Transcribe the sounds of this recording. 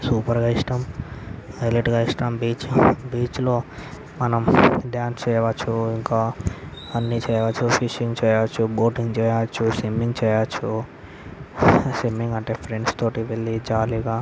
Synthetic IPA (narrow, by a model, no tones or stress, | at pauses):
suːpɐɾɡaːiʂʈɐm | ɐjleʈɡaːiʂʈɐmbiːt͡ʃbiːt͡ʃlo̞ː | mɐnɐmɖjaːnst͡ʃɛːjɐʋɐt͡ʃːuiŋkaː | ɐnːit͡ʃɛːjɐʋɐt͡ʃːupʰiʂiŋɡt͡ʃɛːjɐʋɐt͡ʃːuboːʈiŋɡt͡ʃɛːjɐʋɐt͡ʃːusimːiŋɡt͡ʃɛːjɐʋɐt͡ʃːu | simːiŋɡɐɳʈe̞ːpʰɾeɳɖst̪o̞ːʈiʋeɭːid͡ʒaːliɡaː